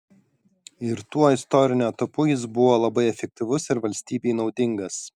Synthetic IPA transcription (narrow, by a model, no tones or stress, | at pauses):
ɪɾt̪uɔɪst̪ɔɾʲɪnʲuɐt̪ɐpʊjɪsbʊʋoːlˠɐbɐɪɛfʲɛk̚ʲt̪ʲɪʋʊsɪɾʋɐlʲsʲt̪ʲiːbʲɛɪnɒʊd̪ʲɪŋɡɐs